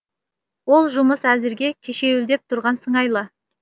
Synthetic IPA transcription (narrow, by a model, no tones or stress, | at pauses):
wo̞lˠʒʊməsæzɪɾɡʲe̞kʲʰeʃe̞wʏld̪e̞p̚t̪ʰʊɾʁɑnsəɴɑjlˠə